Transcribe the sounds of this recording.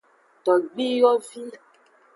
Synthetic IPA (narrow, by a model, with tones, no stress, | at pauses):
t̪ɔ˨ɡ͡bi˦jɔ˦vi˦˨